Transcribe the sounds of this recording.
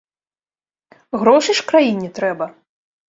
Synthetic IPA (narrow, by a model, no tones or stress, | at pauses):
ɣɾɔʂɨʂkɾajinʲːit̪ɾɛbɐ